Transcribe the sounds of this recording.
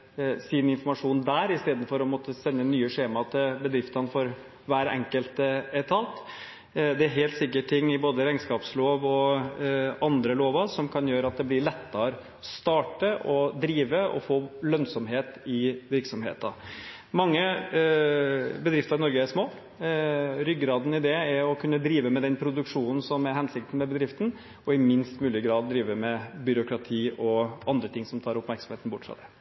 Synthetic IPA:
sɪnɪnfɔmɑʂuːnd̪æːɾɪst̪eːd̪n̩fɔɾɔmɔt̪ːəsɛnːənyːəʂeːmɑt̪ʰɪlbəd̪ɾɪft̪ɑnfɔɾ | ʋæːɾɛ̰ŋkəlt̪ɛt̪ʰɑːt̪ | d̪ɛæɾɦeːlt̪sɪkːəʈʰɪŋːɪboːd̪əɾæɪnskɑːpsloːʋɔ | ɑnd̪ɾəloːʋɑsɔmkʰɑnjøːɾəɑt̪̚d̪ɛblɪɭɛt̪ːɑɾ | st̪ɑːʈəʔɔd̪ɾiːʋəɔ̰foːlœnsɔmɦeːt̪ɪʋɪɾksɔmhḛːt̪ɑ̰ | mɑŋːə | bəd̪ɾɪft̪əɾnɔɾɡəæʂmoː | ɾʏɡɾɑːd̪n̩ɪd̪ɛɛɾɔkʰʉnːəd̪ɾiːʋəmɛd̪ɛnpʰɾʊd̪ʉkʂuːnn̩sɔmæɾɦhɛnsɪk̚t̪n̩mɛbəd̪ɾɪft̪n̩ | ɔɪmɪnst̪mʉːlɪɡɾɑːd̪̚ːɾiːʋəmɛbʏɾʊkɾɑt̪ʰiːɔʔɑnd̪ɾət̪ʰɪŋsɔmt̪ʰɑːɾʊpmæɾksɑm̩heːt̪n̩bʊʈːfɾɑ̰d̪ɛ

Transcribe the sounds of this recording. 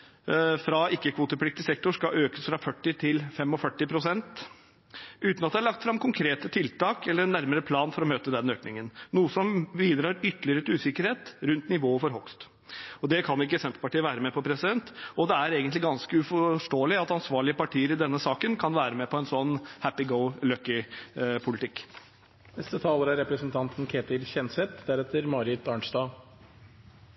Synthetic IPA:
fɾɑɪkːəkʰʋuːt̪əpʰlɪk̚t̪ɪsɛk̚t̪ʊʂkɑʔøːkəsfɾɑfœʈːɪt̪ʰɪlfɛmːɔfœʈːɪpʰɾʊsɛnt̪ | ʉːt̪nɑd̪ɛæɭɑkt̪fɾɑmkʰʊŋkʰɾeːt̪ət̪ʰɪlt̪ʰɑːkɛlːəɾnːæɾməɾəpʰlɑːnfɔɾɔmøːt̪əd̪ɛnøːknɪŋənnuːəsɔmʋiːd̪ɾɑːɾʏt̪ːəlɪəɾət̪ʉːsɪkəɾheːt̪ɾʉnt̪nɪʋoːəfɔɾɦʊkst̪ | ɔd̪ɛkʰɑnɪk̬ːəsɛmp̪ə̥pɑʈiːəʋæːɾəmɛpʰɔpʰɾɛsɪd̪ɛnt̪ɔd̪ɛæɾeːɡənt̪lɪɡɑnskəʉfɔʂʈoːəlɪɑt̪ɑnsʋɑːɭɪəpɑʈʰiːəɾɪd̪ɛnːəsɑːkənkʰɑnʋæːɾəmɛpʰɔɛnsɔnːhæpɪɡəʊløkːɪpʰʊlɪt̪ʰɪkː | nɛst̪ət̪ʰɑːləɾæɾɛpɾəsənt̪ʰɑnt̪n̩kʰeːt̪ɪlçɛnsɛt̪d̪æɾɛt̪əɾmɑːɾɪt̪ɑːɳʂd̪ɑː

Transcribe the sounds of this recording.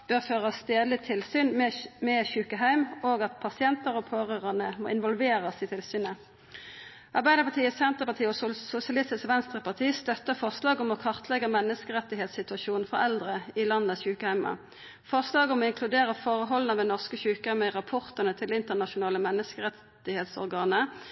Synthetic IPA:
b̥øʁføːʁəst̪eːd̪lɪt̪ʰɪlsyːnmɛmɛçʉːkəɦæɪmoːɡɑt̪pʰɑsɪɛnt̪əʁɔpʰoːʁøːʁənəmo̰ːɪnʋɔlʋeːʁəsɪt̪ʰɪlsyːnə | ʔɑʁbæɪd̪əpɑt̪ʰiːəsɛnt̪əʁpɑʁt̪ʰiːɔsʊsɪɑlɪst̪ɪsʋɛnst̪ʁəpɑʁt̪ʰiːst̪œt̪ːəfɔʁslɑːɡɔmɔkʰɑʁt̪ʰlɛɡəmɛnːəskəʁɛt̪ɪɦeːt̪sɪt̪ʉɑʃuːnn̩fɔɾɛld̪ʁəɪlɑnːəəçʉːkəhæɪmɑ̰ | fɔʁslɑːɡɔmɔːɪŋkʰlʉd̪eːʁəfoːʁəɦɔlnəʋɛnɔʁskəçʉːkəhæɪməʁɑpʰɔʁt̪ənət̪ʰɪlɪnt̪əʁnɑʃʊnɑːləmɛnːəskəʁɛ | ɪheːt̪sɔ̰ʁɡɑːnə

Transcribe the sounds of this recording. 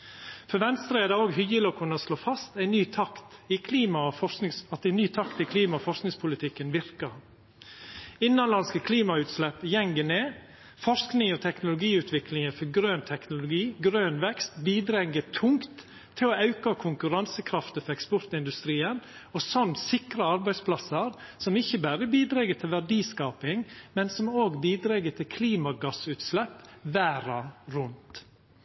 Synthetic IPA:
fɔɾʋɛnst̪ɾəɛd̪əoːɡɦʏjəlokʰʊnəsloːfɑst̪æɪnyːt̪ʰɑkt̪ɪkʰliːmɑfɔnɪŋsɑt̪æɪnyːt̪ʰɑkt̪ɪkʰliːmɑfɔʂsknɪŋspʰʊlɪt̪ʰɪkːənʋɪɾkɑ | ɪnːɑnlɑnskəkʰliːmɑʉːt̪slɛpːjɛŋɡəneː | fɔʂknɪŋɔt̪ʰɛknʊlʊɡiːʉːt̪ʰʋɪklɪŋəfɔɡɾøːnt̪ʰɛknʊlʊɡiːɡɾøːnʋɛkst̪biːd̪ɾɛŋːət̪ʰʊŋkt̪ʰː | ɪlɔɑʉkɑkʰʊŋkʉɾɑnsəkʰɾɑft̪əfɔɾɛkspɔɾt̪ɪnd̪ʉst̪ɾiːən | ɔsɔnsɪkɾɑɑɾbæɪspʰlɑsəɾsɔmɪçːəbæɾəbiːd̪ɾɛɡət̪ʰɪlʋæɖiːskɑːpɪŋmɛnsɔmoːɡbiːd̪ɾɛɡət̪ʰɪlkʰliːmɑɡɑsʉːt̪slɛpːʋæːɾɑɾʉnt̪

